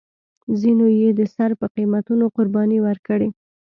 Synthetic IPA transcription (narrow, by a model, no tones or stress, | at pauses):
zinojed̪əsaɾpəqimat̪unoqʊɾbɑniwəɾkəɽe